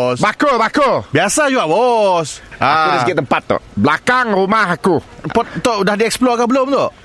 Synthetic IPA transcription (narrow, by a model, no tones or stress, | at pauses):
bakubakubiasad͡ʒuaʔwɔsaakudasɡɪʔt̪əmpat̪̚ːɔ̰ʔʔblakaŋrumaɦakupɔt̪̚t̪oʔdahdiɛksplɔkabəlomt̪oʔ